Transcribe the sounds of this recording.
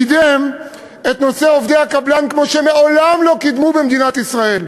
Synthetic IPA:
id̪em | e̞t̪no̞seo̞vd̪ehakablankmo̞ʃemeo̞lamlo̞kid̪mubemd̪inat̪isʁae̞l

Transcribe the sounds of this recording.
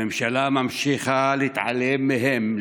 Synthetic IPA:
emʃalamamʃixalit̪ʕa̰lːemːɪɦem

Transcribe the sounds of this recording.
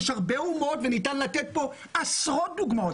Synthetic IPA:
ʃaʁbeumo̞tvenitanlatet̚bo̞ | asʁot̚d̪uɡmao

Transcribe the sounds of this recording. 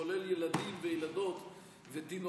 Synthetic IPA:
oleljelad̪imvejelad̪o̞t̪ | vet̪ino

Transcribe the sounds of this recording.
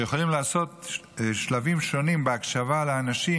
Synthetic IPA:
jeχolimlaːso̞t̪ʃlavimʃo̞nimbeakʃavaleːnaʃi

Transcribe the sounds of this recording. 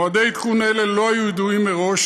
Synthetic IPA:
ad̪ejt̪kunelelo̞ajujid̪uimːeʁo̞ʃ

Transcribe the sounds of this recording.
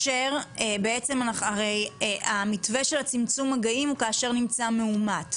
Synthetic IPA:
ʃeʁebe̞et͡se̞manaχaʁe̞jamitve̞ʃe̞lat͡simt͡sumaɡaimukaːʃe̞ʁnimt͡sameumat

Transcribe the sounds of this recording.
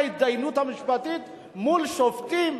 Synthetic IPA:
id̪ajnut̪amiʃi̥pat̪it̪ | mulʃoft̪im

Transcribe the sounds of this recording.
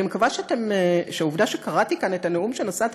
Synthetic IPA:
imekavaʃeatemeʃeauvdaʃekaʁatikane̞taneumʃe̞nosat

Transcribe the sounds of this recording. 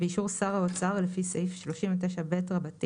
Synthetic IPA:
beiʃuʁsaʁaot͡saʁlefisejfʃlo̞ʃimvet̬eʃabetʁabati

